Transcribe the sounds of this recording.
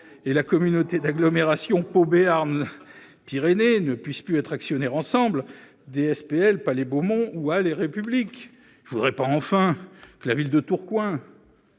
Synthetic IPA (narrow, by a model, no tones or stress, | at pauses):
elakɔmynot̪ed̪aɡlɔmeʁasjɔ̃pobeaʁn | piʁenenəpɥisplyɛt̪χaksjɔnɛʁɑ̃sɑ̃bl | d̪eɛspeɛlpalebomɔ̃ualeʁepyblik | ilvud̪ʁɛpaɑ̃fɛ̃kəlavild̪ət̪uʁkwɛ̃